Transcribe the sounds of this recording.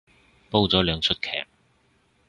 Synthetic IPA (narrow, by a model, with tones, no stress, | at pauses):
po˥wt͡sɔː˨˥lœː˨˧ŋt͡sʰɵ˥t̚kʰɛ̰ː˨˩k̚